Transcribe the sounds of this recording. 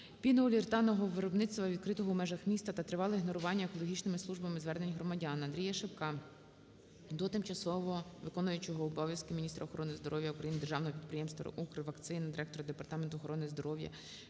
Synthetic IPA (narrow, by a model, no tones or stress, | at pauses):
pʲinɔlʲirt̪ɑnɔɦɔʋɪɾɔbnɪt̪st̪ʋɐʋʲid̪̚kɾɪt̪ɔɦɔwmɛʒɐxmʲist̪ɐt̪ɐt̪ɾɪʋɑlˠɪiɦnɔɾʊʋɑnʲːɐekɔlˠɔɦʲit͡ʃnɪmɪsˠuʒbɐmɪzʋɛrne̞nʲɦɾɔmɐdʲɑnɐnd̪ʲɾʲijɐʃepkɑ | d̪ɔt̪ɪmt͡ʃɐsɔʋɔʋɪkɔnʊjʊt͡ʃɔɦɔɔbɔʋʲjɐskɪmʲinʲist̪ɾɐɔxɔɾɔnɪzd̪ɔɾɔʋjɐukɾɐjinɪd̪erʒɑwnɔɦɔpʲid̪pɾɪjɛmst̪ʋɐ̰ʔukɾɪʋɐkt̪sɪnɐd̪ɪɾɛk̚t̪ɔɾɐd̪e̞pɐrt̪ɑment̪ʊɔxɔɾɔnɪzd̪ɔɾɔwjɐ̰